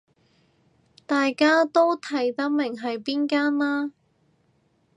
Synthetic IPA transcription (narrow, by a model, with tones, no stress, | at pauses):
t̪aː˨jkaː˥t̪o˥wt̪ʰɐ˨˩jt̪ɐ˥k̚mɪ˨˩ŋɦɐ˨jpiː˥nkaː˥nlaː˥